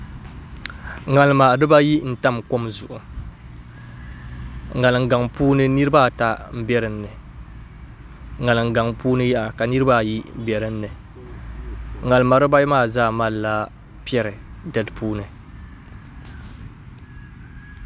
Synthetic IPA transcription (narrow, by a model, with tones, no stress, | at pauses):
ŋa˨lɨ˨ma˨dɨ˦ba˦ji˦n̩˨ta˦mko˦mzʊ˨ʔʊ˨ | ŋa˨lɨ˨ŋ̩˨ɡa˨ŋpuː˦nɨ˦nɨ˦ɾɨ˦ba˦˨ta˦m̩˦bɛ˦ɾɨ˨n̩ː˦ɨ˨ | ŋa˨lɨ˨ŋ˨ɡa˨ŋpuː˦nɨ˦jɛ˦ʔa˨ka˨nɨ˦ɾɨ˦ba˦˨ji˦bɛ˨ɾɨ˦n̩ː˦ɨ˨ | ŋa˨lɨ˨ma˨ɾɨ˦ba˦jmaː˦˨zaː˦˨ma˦lːa˦ | pi˦ɛ˦ɾɨ˨dɛ˦lpʰuː˦nɨ˨